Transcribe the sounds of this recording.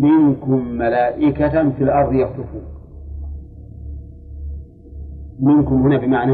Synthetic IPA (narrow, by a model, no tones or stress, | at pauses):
mɪnkʊmːalaːʔɪkat̪filʔɑɾˤd̪ˤjɑt̪ˤɨfuː | mɪnkʊmhʊnaːbɪmaʕna